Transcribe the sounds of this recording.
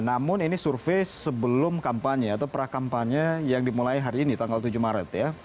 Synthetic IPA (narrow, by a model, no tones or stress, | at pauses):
namʊninisurfesəbəlʊmkampaɲəat̪awpəɾakampaɲəjaŋdimulaiɦaɾiːnit̪aŋɡalt̪ud͡ʒumaɾət̪ja